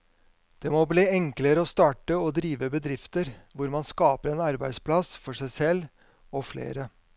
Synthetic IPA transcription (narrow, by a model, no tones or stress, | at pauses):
d̪̥ɛmobliːɛŋkləɾəɔst̪ɑːʈəɔd̪ɾiːʋəbəd̪ɾɪft̪əɾʋʊɾmɑnskɑːpəɾɛːnɑɾbæɪspʰlɑsfɔʂæɪsɛlː | ɔflḛːɾə